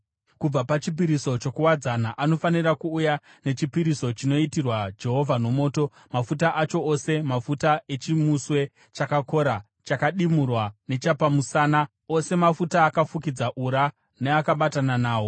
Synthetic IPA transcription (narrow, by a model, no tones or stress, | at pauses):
kub͡vapat͡ʃip̬iɾiso̞t͡ʃo̞kuwad͡zanaʔano̞fanirakuːjane̞t͡ʃipiɾiso̞t͡ʃino̞itirwad͡ʒe̞ɦo̞vʱano̞mo̞ːto̞ | mafutaʔat͡ʃo̞ose̞mafutae̞t͡ʃimuswe̞ | t͡ʃakako̞ɾa | t͡ʃakaɗimurwane̞t͡ʃapamusaːna | o̞se̞mafutaːkafukid͡zaʔuɾa | ne̞akaɓatananaːwo̞